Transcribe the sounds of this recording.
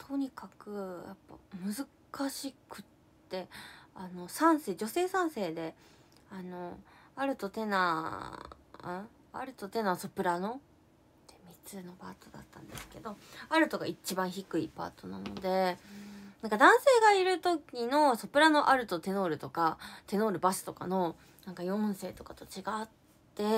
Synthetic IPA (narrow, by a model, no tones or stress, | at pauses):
t̪ʰo̞ɲ̟ikakɯ̟ja̰pːa̰mɯ̟zɨ | kaɕikɯ̟̥ttt̪ːe̞ano̞sãɰ̃se̞ːd͡ʑo̞se̞ːsãɰ̃se̞ːd̪e̞ | ano̞aɾɯ̟t̪o̞t̪e̞na | ɯ̃ | a̰ɾɯ̟t̪o̞t̪e̞naso̞pɯ̟ɾano̞ | t̪emʲit͡sɨno̞paːt̪od̪a̰t̪ːãnd̪e̞sɨ̥ke̞d̪o̞aɾɯ̟t̪o̞ɡait͡ɕibãɰ̃çikɯ̟ipa̰ːt̪o̞nano̞d̪e̞ | nãŋkad̪ãɰ̃se̞ːɡaiɾɯ̟t̪o̞kʲino̞so̞pɯ̟ɾano̞ʔaɾɯ̟t̪o̞t̪e̞no̞ːɾɯ̟t̪o̞kat̪e̞no̞ːɾɯ̟baɕɨ̥t̪o̞ka̰no̞ | nãŋkajõ̞se̞ːt̪o̞kat̪o̞t͡ɕiɡaːt̪ːe̞